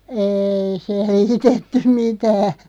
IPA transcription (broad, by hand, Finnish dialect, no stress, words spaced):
eːi seliːtetːym mitæː